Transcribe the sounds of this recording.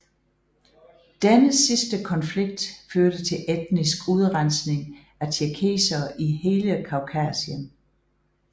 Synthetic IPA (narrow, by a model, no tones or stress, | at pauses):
d̥enəsisd̥əkʰɒ̽nfliɡ̥̚d̥føɐɾ̥ət͡sʰe̝lʔed̥nisɡ̥uð̞ˠʁansne̝ŋ | æt͡sʰiɐkʰe̝̰ːsɐːʔihe̝ːləkʰɑ̈ʊkʰæːsiən